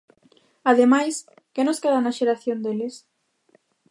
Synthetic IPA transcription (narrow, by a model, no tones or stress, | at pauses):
aðemajs | kenoskeðanaʃeɾaθjond̪elɪs